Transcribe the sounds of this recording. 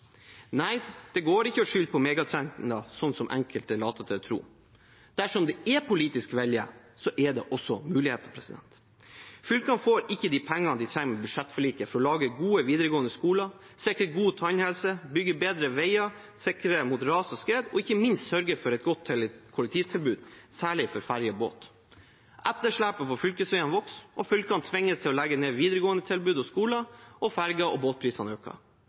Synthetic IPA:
næɪd̪̥ɛɡoːɾɪçːəɔʂʏlpʰɔmeːɡɑt̪ʰɾɛŋnɑsɔnːsɔmʔɛ̰ŋkəlt̪ɛɭɑːt̪ət̪ʰɪt̪ʰɾṵː | d̪̥æʂɔmd̪ɛɛpʊliːt̪ɪskʋɛljə̰ | sɔʔɛɖ̪ɛ̰ʔɔsːɔmʉːlɪheːt̪ɑpʰɾɛsɪd̪ɛ̰nt̪ | fʏlkɑnfoːɾɪçːəd̪iːpʰɛŋːɑnd̪ɪt̪ʰɾæŋmɛbʉd̪ʂɛt̪ːfɔɭiːkəfɔɾɔlɑːɡəɡuːəʋiːd̪əɾəɡoːənd̪əskuːlɑ | sɛkɾəɡuːt̪ʰɑnhɛlsəbʏɡəbeːd̪ɾəʋɛɪɑ | sɪkɾəmʊd̪əɾɑːsɔskɾeːd̪ɔ̰ɪçəmɪnst̪sœɾɡəɾfɔɾɛt̪̚ɡɔt̪ʰːɪlkʰʊlɛk̚t̪ʰiːt̪ʰɪlbʉːd̪sæːɭɪfɔɾfæɾjɔbo̰ːt̪ | ʔɛt̪ːəʂɭæːpɑpɔfʏlkəsʋɛːənʋɔksɔfʏlkɑnt̪ʰʋɪŋːəst̪ʰɪlɔlæɡəneːʋiːd̪əɾəɡoːənət̪ʰɪlbʉːd̪ɔskuːlɑʔɔfæɾɡɑʔɔboːt̪̚pʰɾiːsɑnøːkɑ̰

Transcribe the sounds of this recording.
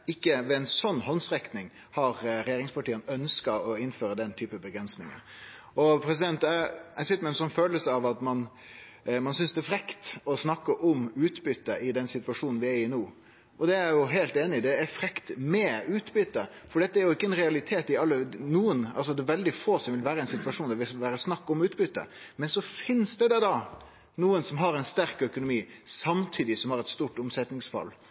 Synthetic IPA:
ɪkːəʋɛɛnsɔnːhɔnsɾɛknɪŋ | hɑɾɾɛjeːɾɪŋspɑʈiːənœnskɑɔɪnføːɾəd̪ɛnt̪ʰyːpəbəɡɾɛnsnɪŋə̰ɾ | ɔpʰɾɛs̬ɪd̪ɛnt̪ææɪsɪt̪ːəmɛnsɔnːføːləsəɑʋɑt̪mɑn | mɑnsʏnsd̪ɛːfɾɛkt̪ɔsnɑkːəʔɔmʉːt̪bʏt̪ːəʔɪd̪ɛnsɪt̪ʋɑʂuːnn̩ʋɪæɾɪnoː | ɔd̪ɛæɾjʊɦeːlt̪eːnɪd̪ɛæɾfɾɛkt̪mɛʉːt̪bʏt̪ːəfɔɖɛt̪ːəæɾjʊɪkːəɛnɾɛɑlɪt̪ʰeːt̪ɪɑlːənuːənɑ̰lsɔd̪ɛːʋɛld̪ɪfoːsɔmʋɪlʋæːɾəɛɪnsɪt̪ʋɑʂuːnd̪æɾʋɪsʋæːɾəsnɑkːɔmʉːt̪bʏt̪ːə̰ | mɛnsɔfɪnsd̪ɛd̪ɛd̪ɑ | nuːənsɔmɦɑɾɛɪnst̪æɾkœkʊnʊmiːsɑmt̪ʰiːd̪ɪsɔmhɑɾɛt̪st̪uːʈʊmsɛt̪nɪŋsfɑ̰lː

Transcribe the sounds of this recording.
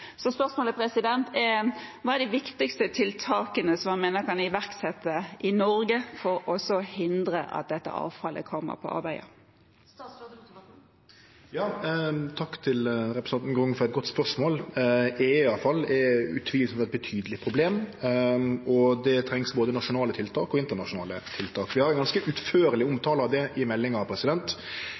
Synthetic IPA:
sɔspœɾsmoːləpʰɾɛsɪd̪ɛnt̪ʰɛʋɑːɛʁd̪ɛʋɪkt̪ɪkst̪ət̪ʰɪlt̪ʰɑːkənəsɔmɑnmeːnəɾkʰɑnɪʋæʁksɛt̪ːəʔɪnɔɾɡəfɔɾɔsɔhɪnd̪ɾəʔɑ̰t̪̚d̪ɛt̪ːə̰ʔɑ̰ːʋfɑlʔə̰kʰɔmːə̰ɾpʰɔ̰ʔɑ̰ɾbæɪə̰ | jɑːt̪ʰɑkːt̪ʰɪlɾɛpɾəsɑnn̩ɡɾʊŋfɔɾɛt̪̚ɡɔt̪ːspœʁʂmoːlɪɪɑlfɑlːɛʉ̰t̪ʰʋiːlsfɔɛt̪̚bət̪ʰyːd̪əlɪpʰɾʊbleːm | ɔd̪ɛt̪ʰɾɛŋsboːd̪ənɑʂʊnɑːlət̪ʰɪlt̪ʰɑːkɔɪnt̪əʁnɑʂʊnɑ̰ːlət̪ʰɪlt̪ʰɑːkʋɪhɑɾɛnɡɑnskəʔʉt̪føːɾəlɪʊmt̪ʰɑːləɑʋd̪ɛʔɪmɛlːɪŋɑpʰɾɛsɪd̪ɛnt̪

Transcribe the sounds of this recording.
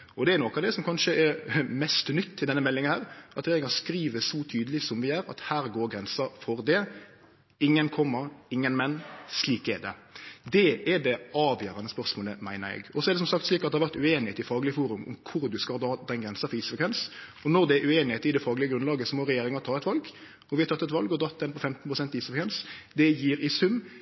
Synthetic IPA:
ɔd̪ɛɛɾnɔkːɑʋd̪ɛsɔmkʰɑnʂəʔɛɾmɛst̪nʏt̪ːʰɪld̪ɛnːəmɛlːɪŋɑhæːɾʔɑt̪ɾɛjeːɾɪŋɑskɾiːʋəsɔt̪ʰyːd̪əlɪsɔmʋɪæːɾɑ̰t̪hæːɾɡoːɾɡɾɛnsəfɔɾd̪ɛ | ɪŋːənkʰɔmːəɾɪŋːənmɛnːsliːkɛd̪ɛd̪ɛʔɛɖɛɑːʋjøːɾɑnəspœʁsmoːləmæɪnəɾɛ̰ɡɔsɔɛɾd̪ɛsɔmsɑkt̪sliːkɑt̪̚d̪ɛhɑʋæʁt̪ʉeːnɪheːt̪ɪfɑːɡlɪəfuːɾʉmʊ̰mkʰʊɾd̪ʉskɑd̪ɑːd̪ɛnɡɾɛnsɑfɔiːsəfəkʰʋɛnsɔnɔɾd̪ɛæʉeːnɪheːt̪ɪd̪ɛfɑːɡlɪəɡɾʉnlɑːɡəsɔmɔɾɛjeːɾɪŋɑt̪ʰɑːɛt̪ʋɑlɡ | ɔʋɪhɑt̪ʰɑt̪ːɛt̪ʋɑlɡɔd̪ʁɑt̪ːd̪ɛnpʰɔfɛmt̪n̩pɾʊsɛnt̪ɪiːsfkʋɛnsd̪ɛjiːɾɪsʉmː

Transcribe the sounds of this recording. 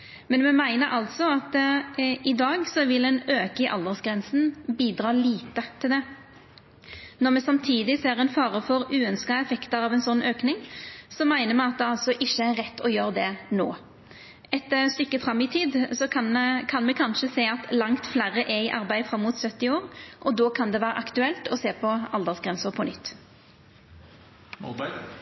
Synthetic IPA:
mɛnmɛmæɪnəɾʔɑlt̪sɔɑt̪ | ɪd̪ɑːɡsɔʋɪlɛnøːkɪʔɑ̰ld̪əʁsɡɾɛnsn̩biːd̪ɾɑːliːt̪ət̪ʰɪld̪ɛ | nɔʁmɛsɑmt̪ʰiːd̪ɪseːɾɛnfɑːʁəfɔɾʉːœnskɑɛfɛkt̪əɾɑːʋɛnsɔnːøːknɪŋsɔmæɪnəmɛɑt̪̚d̪ɛɑlsɔʔɪçːəæɾːɛt̪ːɔjøːɾd̪ɛno̰ː | ɛt̪ːəst̪ʏkːəfʁɑmːɪt̪ʰiːd̪sɔɑkʰɑnmɛkʰɑnʃəseːɑt̪lɑŋt̪flæːʁəʔɛɪʔɑ̰ɾbæɪfɾɑmːuːt̪sœt̪ːɪoːɾʔɔd̪ɔːkʰɑnd̪ɛʋæːɾə̰ʔɑkt̪ʉɛlt̪ʰɔseːpʰɔɑld̪əʁsɡʁɛnsəʁpʰɔnʏt̪ː

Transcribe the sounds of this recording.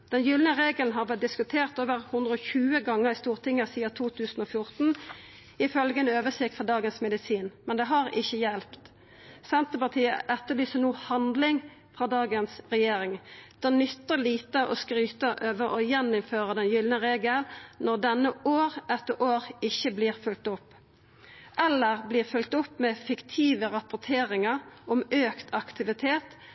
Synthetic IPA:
d̪̥ɛnjʏlnəʁeːɡəln̩ɦɑʁʋɛt̪̚d̪ɪskʉt̪ʰeːʁt̪oːʋəʁhʉnd̪ʁəɔçʉːəɡɑŋːəʁɪst̪uːʁt̪ʰɪŋːəsiːɑt̪ʰuːt̪ʰʉːsn̩ɔfjʊʁt̪n̩ | ɪfœlɡəɛnøːʋəsɪkt̪fɑd̪ɑːɡənsmɛd̪ɪsiːnmɛnd̪ɛɦɑʁɪçːəjɛlpt̪ | sɛnt̪əpɑt̪ʰiːə̰ʔɛt̪ːəblyːsənuːhɑnd̪lɪŋ | fɾɑːd̪ɑːɡənsʁɛjeːɾɪŋd̪̥ɛːnʏt̪ːəliːt̪əʔɔskɾyːt̪əʔøːʋəɾɔjɛnːʊmføːʁəd̪ɛnjʏlnəʁeːɡəlnɔʁd̪ɛnːəʔoːʁɛt̪ːəɾʔoːɾɪçːəbliːʁfʉlt̪ʊpː | ʔɛlːəʁbliːʁfʉlt̪ʊpːmɛfɪkt̪ʰiːʋəʁɑpʊʁt̪ʰeːɾɪŋəʁʔɔmøːkt̪ʰɑkt̪ɪʋɪt̪ʰeːt̪

